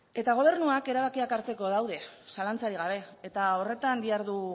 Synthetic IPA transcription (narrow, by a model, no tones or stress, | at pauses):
e̞t̪aɣ̞o̞β̞e̞ɾnuake̞ɾaβakiakaɾt͡se̞ko̞ðawðe̞salant͡saɾiɣaβ̞e̞et̪ao̞re̞t̪and̪iaɾðu